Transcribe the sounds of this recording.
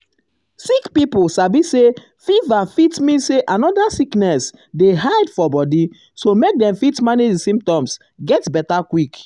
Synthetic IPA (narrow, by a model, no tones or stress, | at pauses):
sikpipusabise | fivafitmĩnseʔanɔdasiknɛs | deɦaɪdfɔbɔdi | somek̚dɛ̃mfitmanidisĩmp̚tɔ̃ms | ɡɛtbɛtakwik